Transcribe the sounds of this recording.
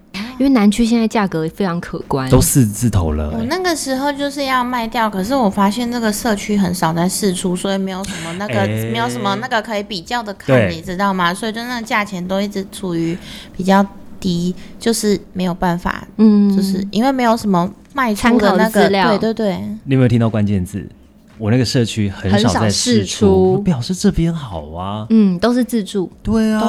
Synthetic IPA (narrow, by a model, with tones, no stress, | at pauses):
i˥nwe˥˩na˧˥nt͡ɕʰy˥ɕjɛ˥˧na˥˧ɪt͡ɕja˥˩kɤ˧˥˨fe˥ɪɑ˧˥ŋkʰɤ̰˨˩kwa˦nt̪o˥ʊʂ̩˥˧t͡s̩˥˩t̪ʰo̰˧˥ʊlə̰˧wɔ˨˩na˥˩ɡə˩ʂɻ̩˧˥xo˥˧ʊt͡ɕjo˥˧ʊʂɻ̩˥˧jɑ˥˧ʊma˥˧ɪt̪jɑ˥˩ʊkʰɤ˨˩ʂ̬ɻ̩˥˩wɔ˨˩fa˥ɕjɛ˥˧nʈ͡ʂa˥˩ɡə˩ʂɤ˥˧t͡ɕʰy˥xə˨˧˦nʂɑ˨˩ʊda˥ɪʂɻ̩˥˩ʈ͡ʂʰu˥swɔ˧˥i˨˩me˧˥ɪjo˨˩ʊʂə˧˦nmə˧na˥˩ɡə˨me˧˥ɪjo˨˧ʊʂə˧˥mə˧˦na˥˩ɡə˨˩kʰɤ˧˥i˨˧˦pi˨˩t͡ɕjɑ˥˩ʊd̪ə˩kʰa˥˩ni˨˩ʈ͡ʂɻ̩˧˥t̪ɑ˥˩ʊma˩swɔ˧˥i˨˩t͡ɕwna˥˩ɡə˨˩t͡ɕja˥˩t͡ɕʰjɛ˧˥nt̪o˥ʊi˥˩ʈ͡ʂɻ̩˧˥ʈ͡ʂʰu˨˩y˧˥pi˨˩t͡ɕjɑ˥˩ʊt̪i˥t͡ɕjo˥˧ʊʂɻ̩˥˩me˧˥ɪjo˨˩ʊpa˥˩nfa̰˨˩n̩˥˧t͡ɕjo˥˧ʊʂɻ̩˥˩i˥nwe˥˩me˧˥ɪjo˨˩ʊʂə˧˥nmə˦ | ma˥˧ɪt͡sʰa˥ə˧na˥˩ɡlj̪ɑ˥we˥˩ɪt̪we˥˧ɪt̪we˥˩ɪni˨˥me˧˦˥t̪ʰĩ˧˥t̪kwa˦nt͡ɕjɛ˥˧nt͡sɹ̩̰˥˩ | wɔ˨˩na˥˩ɡə˩ʂɤ˥˩t͡ɕʰy˥xə˧˦nə˧˦snɑ˨t͡saa˧ɪʂɻ̩˧˥˨ʈ͡ʂʰu˦˥pjɑ˨˩ʊʂɻ̩˥˧ʈ͡ʂɤ˥˩pjɛ˥nxɑ˨˩ʊɐ˦n̩˥˩t̪o˥ʊʂɻ̩˥˧t͡s̩˥˧ʈ͡ʂu˥˩t̪we˥˩ɪ